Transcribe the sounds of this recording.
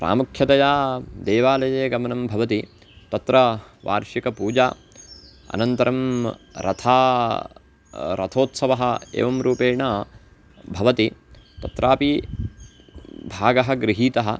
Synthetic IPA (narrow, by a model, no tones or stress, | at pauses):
pɾa̰ːmukʰjɐt̪ɐjaːd̪eːʋaːlɐjeːɡɐmɐnɐmbʱɐʋɐt̪i | t̪ɐt̪ɾɐʋa̰ːɾʃikɐpuːd͡ʒaː | ɐ̰nɐnt̪ɐɾɐmɾɐ̰t̪ʰaː | ɾɐ̰t̪ʰoːt̪sɐʋɐɦɐ̆ḛːʋɐmɾuːpeːɳaː | bʱɐʋɐt̪it̪ɐt̪ɾʔaːpi | bʱaːɡɐɦɐ̆ɡɾiɦiːt̪ɐɦɐ̆